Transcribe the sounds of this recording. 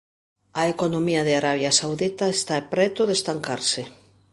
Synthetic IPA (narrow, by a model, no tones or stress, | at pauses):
ɐekonomiɐðeaɾaβjasawðit̪aest̪aepɾɛt̪ʊðest̪aŋkaɾsɪ